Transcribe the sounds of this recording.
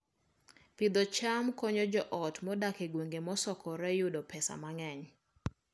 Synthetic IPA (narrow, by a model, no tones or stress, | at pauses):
pɪd̪ɔt͡ʃamkɔɲɔd͡ʒɔʔɔtmɔdakeɡwoŋɡemɔsɔkɔɾɛjʊdɔpʰɛsa̰maŋɛɲ